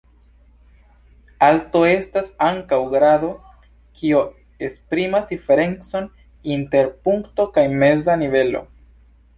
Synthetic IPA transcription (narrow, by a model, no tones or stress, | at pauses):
alto̞e̞stasaŋkawɡɾado̞ | kʰio | espɾimasdife̞ɾe̞nt͡so̞n | inte̞ɾpuŋkto̞kajme̞zanive̞lo̞̰